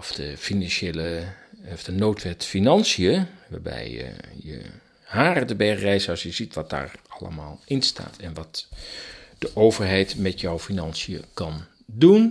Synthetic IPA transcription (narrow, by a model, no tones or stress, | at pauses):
ɔfd̥əfinɑnʃejləɔvd̥ənowtʋɛtfinɑnsijəʋa̰ːɹbɛ̰jə̰jə̰ | haːrədəbɛɹχrɛjzəɑlˠsjəzitʋɑt̚d̥a̰ːɹɑlə̰maːlˠɪnsta̰ːtʰɛnʋɑt | d̥əʔowvəɹɦɛjtmɛtjɔwfinɑnsijə̰kɑn | dun